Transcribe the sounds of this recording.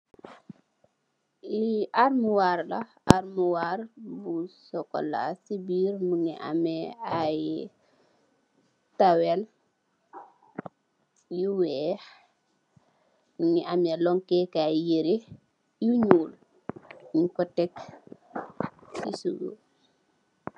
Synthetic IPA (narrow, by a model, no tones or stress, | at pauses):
iʔaɾmuwaɾɗa | aɾmuwaɾbusɔkɔ̰lːasibiɾnuŋɛ̰ʔa̰mɛaj | tawɛl | juwɛ | nuŋɛamɛlɔŋkɛkajeɾe | juɲuːl | iŋkɔtɛk | sisuɡo̰